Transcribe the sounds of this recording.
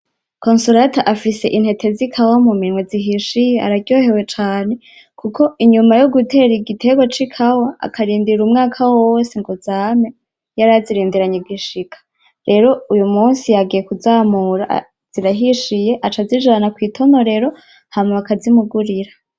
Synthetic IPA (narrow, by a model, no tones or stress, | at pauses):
konsuɾataʔafise̞ʔinhe̞tʰe̞zikʰawamuminŋweziɦiʃijea̰ɾaɟjo̞ːhe̞we̞t͡ʃaːne̞ | kukʰo̞iɲumajoɡutʰe̞ɾiɡitʰeɡwat͡ʃikʰawaa̰kʰaɾiːndiɾumŋaːkʰawwoseŋɡozaːme | jaɾaziɾiːndiɾaɲeɡiʃikʰḁ | ɾe̞ɾo̞ujumuːnsijaɡije̞kuzaːmuɾa | z̥iɾaɦiʃije̞ʔat͡ʃazid͡ʒanakwiːtʰo̞no̞ɾe̞ɾo̞ | hamŋeakazimuɡuɾiɾa